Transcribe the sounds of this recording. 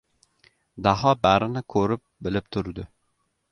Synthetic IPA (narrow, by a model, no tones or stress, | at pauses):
d̪aɦɒbaɾɪnɪkʰɵɾɪp̚bɪlɪp̚t̪ʰʊɾd̪ɪ